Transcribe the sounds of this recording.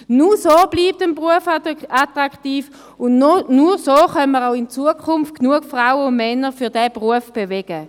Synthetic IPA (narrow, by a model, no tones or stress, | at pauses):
nusoːb̥liːp̚tənbʁuəfatʁaktiːf | ʊnnuʁsoːχœnməʁaʊɪnt͡suəkʰʊnft̚knuəkfʁawəʊnmɛnəfyɐdɛːbʁuəfb̥evɛɡ̥ə